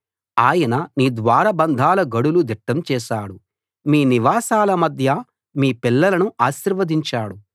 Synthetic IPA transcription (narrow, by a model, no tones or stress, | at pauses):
aːjɐnɐniːd̪ʋaːɾɐbɐnd̪ʱaːlɐɡɐɽulud̪iʈːɐmt͡ʃɛːʃaːɽu | miːniʋaːsaːlɐmɐd̪ʱjɐ | miːpilːɐlɐnuʔaːʃiɾʋɐd̪iɲt͡ʃaːɽu